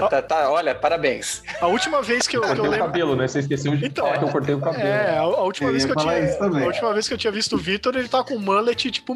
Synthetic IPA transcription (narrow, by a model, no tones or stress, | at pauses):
t̪at̪aɔʎɐpaɾabẽj̃sɐut͡ʃimɐveskɪewkoɾtewejẽkabbelʊnɛ̃seis̬kesẽd͡ʒɪẽt̪ɐ̃ãakewkoɾt̪ejʊkabelɛaaut͡ʃimɐvejskewt͡ʃiist̪ɐ̃mẽaut͡ʃimɐvejskewt͡ʃĩɲɐvist̪ʊʊvit̪oɾelɪt̪avɐkõmɐ̃let͡ʃɪt͡ʃi̥pʊ